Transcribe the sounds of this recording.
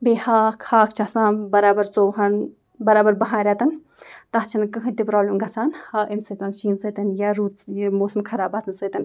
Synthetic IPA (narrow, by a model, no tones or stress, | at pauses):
beːhaːkhaːkʰt͡ʃʰasãːnbɐɾaːbɐɾt͡soːɦan | bɐɾaːbɐɾbɐɦãːɾʲjaːt̪ɐn | t̪ɐht͡ʃʰɐnkɨɦɨt̪ipɾaːblʲimɡɐsaːnhaːʔemsət̪aːnʃiːnsəːt̪ɐnjaɾuːt̪moːsɐmkʰɐɾaːbat͡snsət̪ɐn